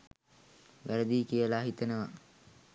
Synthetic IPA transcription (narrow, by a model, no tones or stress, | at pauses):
ʋæɾəd̪iːkijəlaɦit̪ənəʋa